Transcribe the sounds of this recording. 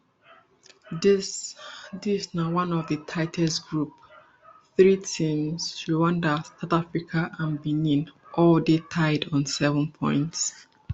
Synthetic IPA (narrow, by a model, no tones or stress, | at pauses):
dsdisnawʌ̃nɔvðətʰaɪtʰɛstɡ̥ɹup̚ | θɹitʰĩmsʃuwãndəsaʊθafɹikʰaʔãnbinĩnʔɔldetʰaɪdɔ̃nsɛvə̃npʰɔ̰̃ɪ̃nts